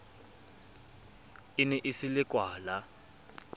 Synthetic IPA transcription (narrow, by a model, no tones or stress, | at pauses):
ɪnɛʔɪsɪlɪkʼwaːla